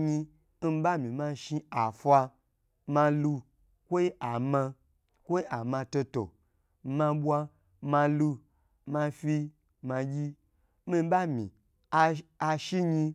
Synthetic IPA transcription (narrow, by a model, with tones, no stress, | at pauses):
ɲi˧ | m̩˦ba˦mĩ˨mã˧ʃi˧a˨fʷa˧ | mã˧lu˧ | kʷo˦i˦ʔa˨mã˧ | kʷo˦i˦a˨mã˧to˧to̰˨ | mã˧bʷwa˧ | mã˧lu˧ | mã˧fi˧ | ma˧ɡʲi˦ | mi˧˦ba˦mḭ̃˨ | a˧a˧ʃi˦ɲi˧